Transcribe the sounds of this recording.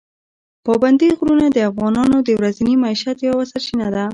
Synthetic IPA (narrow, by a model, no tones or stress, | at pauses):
pɑband̪iɣɾunad̪əafɣɑnɑnod̪əwɾazinimaiʃat̪jawasaɾʃinad̪a